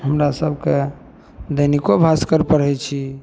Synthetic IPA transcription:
ɦəmɾasəbʱke | d̪əjnikobʱaskəɾpəɾɦɛt͡ʃʰi

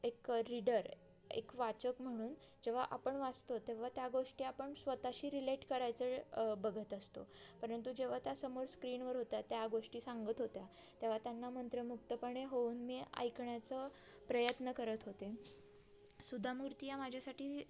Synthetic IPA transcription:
ekɾiɖəɾ | ḛkʋat͡ɕəkm̤əɽ̃uːn | d͡ʑeʋ̤aʔapəɳʋad͡zt̪ot̪eʋ̤at̪jaɡoʂʈiːapəɳsʋət̪aɕiːɾileʈkəɾajt͡səbəɡʱət̪əst̪o̰pəɾənt̪ud͡ʑeʋ̤at̪jasəmoɾskɾiːnʋəɾɦot̪jat̪jaɡoʂʈiːsaŋɡət̪ɦot̪ja | t̪eʋ̤at̪janːamənt̪ɾəmuk̚t̪əpəɳeɦouːnmiːa̰jkɳjat͡sə | pɾəjət̪nəkəɾət̪ɦot̪e | sud̪ʱamuɾt̪ijamad͡ʑʱjasaʈʰiː

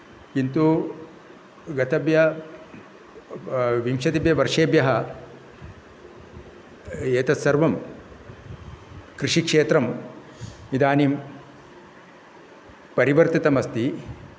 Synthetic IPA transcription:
kint̪u | ɡɐt̪ɐbjɐ | ʋimʃɐt̪ibjɐʋɐɾʂeːbjɐɦɐ | eːt̪ɐsɐɾʋɐm | kɾɪʂikʂeːt̪ɾɐm | id̪aːniːm | pɐɾiʋɐɾt̪it̪ɐmɐst̪i

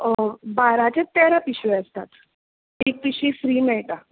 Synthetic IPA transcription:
baɾat͡ɕet̪eɾapiɕʋeəst̪at̪ | ek̚t̪iɕiːfɾiːmɛɭt̪a

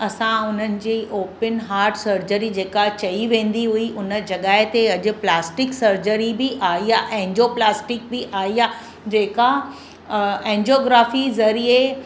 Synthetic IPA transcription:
ɐsãʊn̤ənɪ̆d͡ʑiːʔoːpənɦaːɾʈsɐɾd͡ʑəɾid͡ʑeːkat͡ɕɐiʋẽːnd̪iɦʊiʔʊnə̆d͡ʑɐɠaːɪt̪eɐʄʊ̆plaːsʈɪksɐɾd͡ʑəɾibɪʔaːiaːʔɛ̃ɦɪ̃ɲd͡ʑoplaːsʈɪk̚bɪʔaːiaː | d͡ʑeːka | ɛ̃ːɲd͡ʑoːɡɾaːfizɐɾie

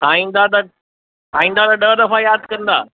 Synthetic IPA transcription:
kʰaːĩːn̆d̪at̪ɐ | t̪ʰaːĩːn̆d̪at̪ɐɗəɦd̪ɐfajaːd̪kɐ̃nd̪a̰ː

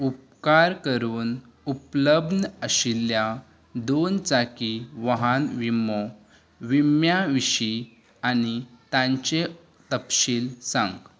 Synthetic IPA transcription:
up̚kaɾkəɾuːn | upləbnəəɕilja | d̪ont͡sakiʋəɦanʋimɔ | ʋimjaʋiɕi | anit̪ãɲt͡ɕe | t̪əpɕiːlsã̰ŋɡ

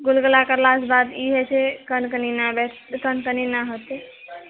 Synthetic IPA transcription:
ɡulɡəlakəɾlasbat̪iɦet͡ʃʰekənkəninabe | kənkəninaɦot̪e

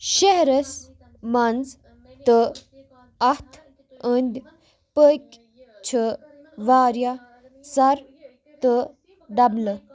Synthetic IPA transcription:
ʃeɦɾəs | mɐnd͡z | t̪ə | ɐht̪ʰ | ənd̪ʲ | pəkʲ | t͡ʃʰə | ʋaːɾja | sɐɾ | t̪ə | ɖɐblə

